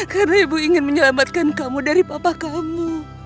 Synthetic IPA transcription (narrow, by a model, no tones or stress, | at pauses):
karnaibuiŋɪnməɲəlamat̪̚kankamudaɾipapakamu